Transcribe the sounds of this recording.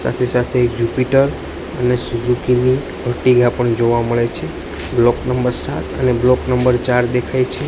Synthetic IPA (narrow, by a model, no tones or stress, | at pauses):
sa̰t̪ʰesat̪ʰeːkd͡ʒupiʈəɾ | ənesuzukini | bʱəʈiɡapəɳd͡ʒoʋaməɭet͡ʃʰe | blɔknəmbəɾsa̰t̪əneblɔknəmbəɾt͡ʃaɾd̪ekʰajt͡ʃʰe